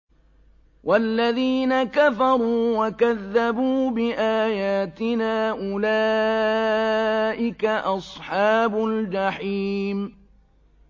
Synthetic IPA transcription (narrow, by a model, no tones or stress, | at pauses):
wʔalːaðiːnakafɑɾˤuːwakaðːabuːbɪʔaːjaːt̪ɪnaːʔʊlaː | ʔɪkaʔɑsˤħɑːbʊld͡ʒɑħiːm